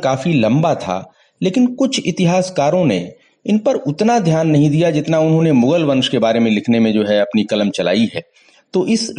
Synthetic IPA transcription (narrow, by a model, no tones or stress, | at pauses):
kaːfilɐ̃mbat̪ʰa̰ | leːkɪnkʊt͡ʃʰɪt̪ɪɦaːskaːɾõnḛ | ɪnpɐɾʊt̪nad̪ʱjaːnːɐɦĩd̪ijad͡ʒɪt̪naʊnɦõnemʊɡəlʋɐ̃nʃkebaːɾemẽlɪkʰnemẽd͡ʒoːɦɛɐpnikɐləmt͡ʃɐla̰ːiɦɛː | t̪oːʔɪs